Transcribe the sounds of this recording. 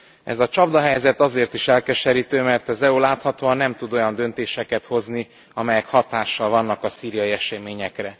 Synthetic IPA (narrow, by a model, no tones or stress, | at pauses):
ɛ̰zɒt͡ʃɒbd̪ɒɦɛjzɛt̪ɒzeːrt̪iʃɛlkɛʃɛɾiːt̪øːmɛrt̪ɒzɛulaːt̪hɒt̪oːɒnːɛmt̪ud̪o̞jɒnd̪ø̞nt̪eːʃɛkɛt̪ho̞zni | ɒmɛjɛkhɒt̪aːʃːɒlvɒnːɒkɒsiːɾijɒjiɛʃɛmeːɲɛkrɛ